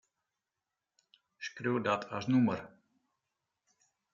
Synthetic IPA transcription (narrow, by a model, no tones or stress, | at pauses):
ʃkɾəwd̪at̪ʰaʒnuməɾ